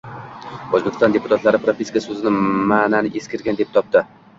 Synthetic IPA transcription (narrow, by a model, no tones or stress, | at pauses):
ozbekʲɪst̪ɒnd̪e̞pʰʊt̪ʰat̪laɾɪpɾopʰʲeskasɵzɪnɪmaːnanɪʔeskʲɪɾɡʲand̪e̞p̚t̪ʰɒp̚t̪ɪ